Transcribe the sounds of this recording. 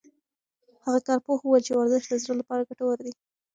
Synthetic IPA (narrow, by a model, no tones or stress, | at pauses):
haɣakɑɾpohuwəlt͡ʃewaɾzɪʃt̪̚d̪əzɽəlapɑɾaɡaʈawaɾd̪i